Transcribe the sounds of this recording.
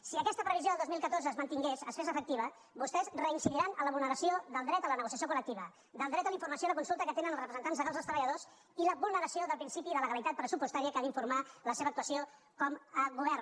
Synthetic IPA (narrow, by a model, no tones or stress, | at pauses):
siəkɛst̪əpɾəβizjoðəlˠd̪ozmilˠkət̪orzəːzmənt̪iŋɡesəsfezəfək̚t̪iβə | bust̪ɛzrəinsiʎiɾanələβulnəɾəsioðəlˠd̪ɾɛt̪ələnəɣusiəsjokulək̚t̪iβə | d̪əlˠd̪ɾɛt̪ələiɱfuɾməsjoiðləkunsulˠt̪əkət̪enənəlˠzrəpɾəzənt̪anzðəɣalzðəlˠst̪ɾəβʎəðos | iləβulnəɾəsioðəlˠpɾinsipiðələɣəlit̪at̪̚pɾəsupust̪aɾiəkaðiɱfuɾmaləseβəːk̚t̪uəsio | kɔməɡuβ̞ɛr